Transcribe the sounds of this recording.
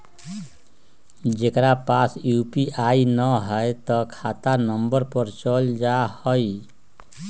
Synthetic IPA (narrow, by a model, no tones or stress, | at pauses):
d͡ʒekɾapasjupiʔainəɦəet̪ɔkʰat̪anəmbəɾpəɾt͡ʃəld͡ʒahəi